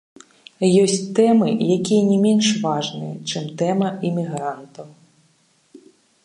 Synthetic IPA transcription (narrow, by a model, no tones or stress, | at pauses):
jɔsʲtʲt̪ɛmɪ̰jakʲijnʲimʲinʃʋɑʐnɨjɛt͡ʃɪmt̪ɛmɐimʲiɦɾant̪ɐw